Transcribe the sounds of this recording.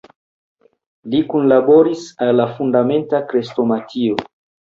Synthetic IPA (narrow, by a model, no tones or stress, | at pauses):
likunlaboɾisalːafundame̞ntakɾestomatʰio